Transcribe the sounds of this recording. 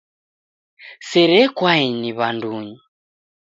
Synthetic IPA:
sɛɾɛkwainiβanduɲi

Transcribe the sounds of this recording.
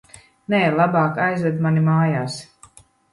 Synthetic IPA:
nɛːlˠabaːkajzvɛd̪manimaːjaːs

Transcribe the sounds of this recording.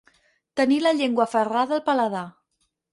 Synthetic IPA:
t̪əniləʎeŋɡwəfəraðəːlˠpələða

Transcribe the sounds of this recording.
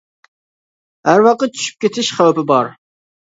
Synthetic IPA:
hæɾwɑqət̪̚t͡ʃʰy̥ʃy̥p̚kʲet̪ʰɪʃχæwpɪbɑɾ

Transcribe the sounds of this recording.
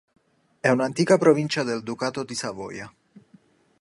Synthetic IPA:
ɛunant̪iːkapɾovint͡ʃad̪eld̪ukaːt̪od̪isavɔ̰ːja

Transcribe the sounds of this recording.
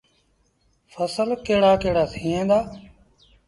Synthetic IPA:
fəsəlkeːɽaːkeːɽaːt̪ʰĩːẽːnd̪aː

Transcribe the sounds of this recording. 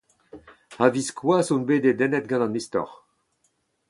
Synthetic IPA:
aviskwaːsunbeːd̪ed̪ɛnɛt̪̚ɡɑ̃nɑ̃nist̪ɔ̰ʁ

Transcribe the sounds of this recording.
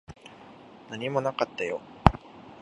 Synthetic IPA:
naɲ̟imo̞nakat̪ːajo̰

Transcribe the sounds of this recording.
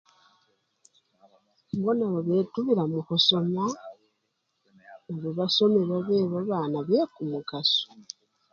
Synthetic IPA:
bonaβoβeːtuβiɾamuxuso̞ma | oβuβaso̞meβwaβeːβaβaːnaβekumukasu̥

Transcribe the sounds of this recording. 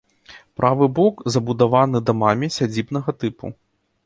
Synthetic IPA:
pɾʔavɨbɔkzɐbud̪avanɨd̪ɐmamʲisʲad͡zʲibnɐɣɐt̪ɨpṵ

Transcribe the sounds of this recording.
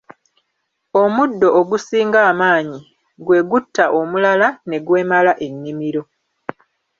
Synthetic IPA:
omudːo̞ʔːɡusiːŋɡaːmaːɲi | ɡwe̞ːɡutːaʔomulalane̞ɡwe̞ːmalaʔe̞nːimiɾo̞

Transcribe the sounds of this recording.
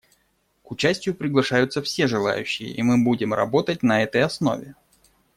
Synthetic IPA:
kʊt͡ɕæsʲtʲɪjʊpɾʲɪɡlˠɐʂajʊt̪səfsʲe̞ʐɨlˠa̰jʉ̰ɕːɪjə̰ʔimɨbudʲɪmrɐ̰bo̞t̪ətʲnɐɛt̪əjɐsno̞̰vʲɪ

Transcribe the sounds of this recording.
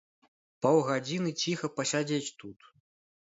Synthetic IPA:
pɐwɣad͡zʲinɨt͡sʲixɐpɐsʲad͡zʲet͡sʲt̪ut̪

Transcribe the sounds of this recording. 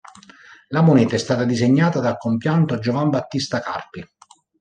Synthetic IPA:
lamonɛːt̪aɛst̪aːt̪ad̪izeɲːaːt̪ad̪alkompjant̪od͡ʒovambat̪ːist̪aka̰rpi

